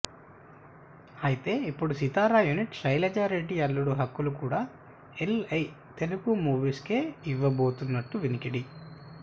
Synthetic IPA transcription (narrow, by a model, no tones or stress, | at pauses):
ɐjit̪e̞ːipːuɽusit̪aːɾaːjuniʈsɐjlɐd͡ʒaːɾe̞ɖːiɐlːuɽuɦɐkːulukuːɽaː | elɐj | t̪e̞lukumuːʋiskeːiʋːɐbo̞ːt̪unːɐʈːuʋinikiɽi